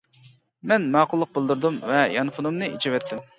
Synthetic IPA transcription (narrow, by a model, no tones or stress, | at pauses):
mɛnmɑːqʰʊlˠːəq̚bɪlˠd̪uɾd̪umvɛjɑnfʊnɨmnɨʔit͡ʃʰiwɛt̪ʰːɪm